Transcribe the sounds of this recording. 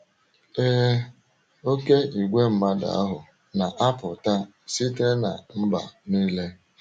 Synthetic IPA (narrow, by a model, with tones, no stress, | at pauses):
eː˦ | o˦ke˦i˨ɡʷe˦m̩˨˦ma˦da̰˨a˦ɦʊ˨ | na˨ʔa˦pʊ˨ta˦ | si˦te˦na̰˨m̩˦ba̰˨niː˦le˦